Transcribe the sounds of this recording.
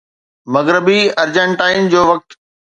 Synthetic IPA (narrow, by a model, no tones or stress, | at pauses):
mɐɣɾəbiɐɾd͡ʑə̃ɳʈaːɪnd͡ʑoːʋɐk̚t̪